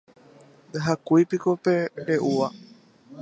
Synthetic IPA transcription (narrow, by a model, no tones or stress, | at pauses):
d̪aɦakujpikope̞ɾeʔuʋa